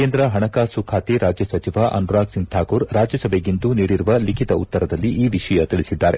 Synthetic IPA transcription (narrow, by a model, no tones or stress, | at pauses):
keːnd̪ɾɐɦɐɳɐkaːsukʰaːt̪iɾʔaːd͡ʒjɐsɐt͡ʃiʋaʔɐ̰nɾaːksiŋɡ̚t̪ʰaːkuːɾɾaːd͡ʒjɐsɐbʱeɡind̪uniːɽiɾuʋɐlikʰit̪ɐut̪ːɐɾɐd̪ɐlːiʔiːʋiʂɐjɐt̪iɭisid̪ːaːɾe